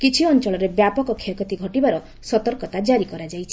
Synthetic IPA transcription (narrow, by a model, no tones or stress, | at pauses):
kit͡ʃʰiɔnt͡ʃɔɭɔɾebjapɔkɔkʰekɔt̪iɡʱɔʈibaɾɔ | sɔt̪ɔɾkɔt̪ad͡ʒaɾikɔɾad͡ʒajt͡ʃʰi̥